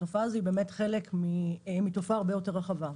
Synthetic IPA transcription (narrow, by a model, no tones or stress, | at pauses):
tofazibe̞me̞tχelekmimitofaːʁbe̞jote̞ʁaχava